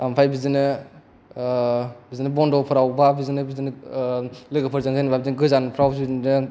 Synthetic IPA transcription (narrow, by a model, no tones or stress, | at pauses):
ampʰajbizinɯ | bizinɯbɔndɔpʰɯɾawbabizinɯbizinɯ | lɯɡɯpʰəɾzaŋɡajnbabizinɡɯzanpʰɾawsbiznɯ